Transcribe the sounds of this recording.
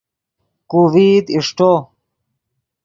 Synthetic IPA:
kuviːt̪iʂʈo

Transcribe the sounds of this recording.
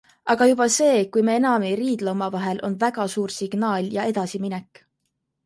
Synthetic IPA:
ʔɑɡ̥ɑjub̥ɑse̞ːkujmeenɑmeɾiːd̪̥leomɑvɑɦe̞lʔo̞nvæɡ̥ɑsuːrsiɡ̥nɑːlʲjɑe̞d̪̥ɑsiminɛkːˑ

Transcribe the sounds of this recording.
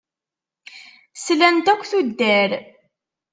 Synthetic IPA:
slænt̪ækʷːθud̪ːæɾ

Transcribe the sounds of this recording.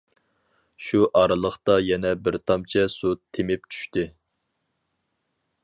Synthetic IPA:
ʃuʔɑɾɨlˠəχt̪ɑjɛnɛbɪɾt̪ʰɑmt͡ʃʰɛsut̪ʰːemɪp̚t͡ʃʰy̥ʃt̪ɪ

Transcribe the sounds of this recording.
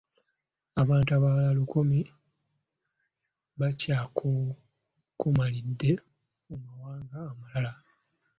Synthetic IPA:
aβaːntuaβalalukomi | βacaːkʰo | kumalidːe̞ | mumawaːŋɡaːmalala

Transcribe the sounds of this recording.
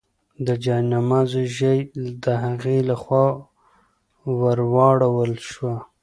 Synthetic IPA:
d̪əd͡ʒɑnamɑzoʒəjd̪əɦaɣelaxwɑ | waɾwɑɽawəlʃwa

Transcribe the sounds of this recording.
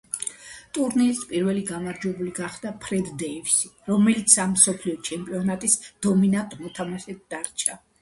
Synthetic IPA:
t̪ʼuɾniɾispʼiɾvɛliɡamaɾd͡ʒwɛbuliɡaχd̪apʰɾɛd̪d̪ɛifsiɾɔmɛlit̪sʰamːsɔpʰliɔt͡ʃʰɛmpʼiɔnat̪ʼisd̪̥ɔminat̪ʼmɔt̪ʰamaʃɛt̪̚d̪aɾt͡ʃʰa

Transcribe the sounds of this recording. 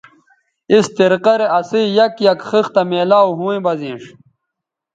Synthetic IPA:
ist̪iɾqɐɾeʔɐsijɐkjɐkxixt̪ɐmeːlaːwɦũwẽbɐzĩːʂ

